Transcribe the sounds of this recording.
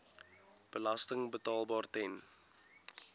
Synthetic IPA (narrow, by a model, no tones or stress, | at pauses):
b̥əlɐstəŋbətɑːlˠbɑːrtɛn